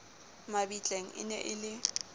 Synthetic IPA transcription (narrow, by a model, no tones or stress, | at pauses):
mabit͡ɬʼeŋ̩ʔɪ̰nɛ̰ʔɪlɪ